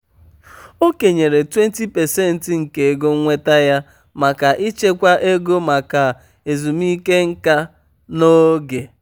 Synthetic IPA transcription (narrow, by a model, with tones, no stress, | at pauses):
o˦ke˨ɲe˨ɾe˨twe˦n̩˦ti˦pɛ˨se˦n̩˨tɪ˨ŋ̩˨ke˨e˨ɡo˦ŋ̩˦ŋʷe˦ta˦ja˦ | ma˨ka˨ʔi˦t͡ʃe˦kʷa˦ʔe˦ɡo˦ma˨ka˨ | e˨zu˨m˦i˦ke˦ŋ̩˦ka˦ | no˦ɡe˨